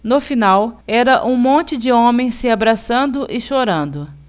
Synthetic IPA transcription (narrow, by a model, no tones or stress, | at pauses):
nofinawɛɾɐʔũmõnt͡ʃɪd͡ʒɪõmẽj̃sɪabɾasɐ̃nd̪ʊʔɪʃoɾɐ̃nd̪ʊ